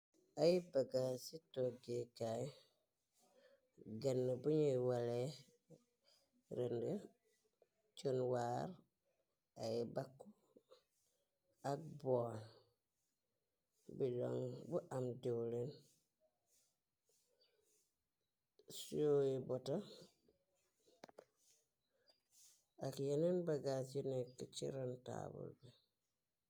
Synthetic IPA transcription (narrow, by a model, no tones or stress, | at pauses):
ajibaɡasitoɡekaj | ɡanːebuɲiwale | ɾende | t͡ʃonwaɾ | ajibakːu | ak̚bon | bilo̰ŋbuʔamdiwlen | sojibota | akjenenbaɡat͡ʃinekːit͡ʃḭɾanta̰bṵlbe